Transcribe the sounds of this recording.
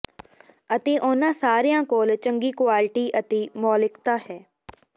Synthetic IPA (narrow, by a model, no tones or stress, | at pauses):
ət̪eːʔʊnãːsaːɾijãːkoːlt͡ʃəŋɡiːkʊwaːlɪʈiːʔət̪eːmɔːlɪkt̪aːhɛː